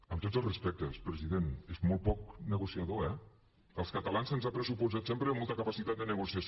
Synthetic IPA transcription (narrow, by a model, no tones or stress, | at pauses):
əmt̪otzəlˠzrəspɛk̚t̪əspɾəziðenezmolˠt̪̚pɔk̚nəɣusiəðoɛ | əlˠskət̪əlanzənzapɾəsupuzat̪sempɾəmolˠt̪əkəpasit̪at̪̚d̪ənəɣusiəs